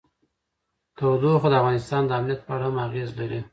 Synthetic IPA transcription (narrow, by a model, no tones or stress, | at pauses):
t̪awd̪oxod̪əafɣɑnɪst̪ɑnd̪əamnijat̪̚pəaɽahamaɣezlaɾi